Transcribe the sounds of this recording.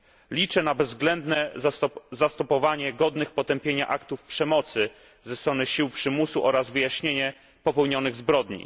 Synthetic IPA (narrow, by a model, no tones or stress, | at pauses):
lʲit͡ʂɛnabɛzːɡlɛnd̪nɛ | zast̪ɔpɔvaɲɛɡɔd̪nɘxpɔt̪ɛmpʲjeɲa̰ʔakt̪ufpʂɛmɔt̪sɘ | zɛst̪ɾɔnɘɕiwpʂɘmusuʔɔɾazvɘjaɕɲeɲɛ | pɔpɛwɲɔnɘɣzbɾɔd̪ɲḭ